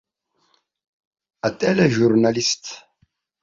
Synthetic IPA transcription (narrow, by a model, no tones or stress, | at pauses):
atʼɛlɛʒuɾnalist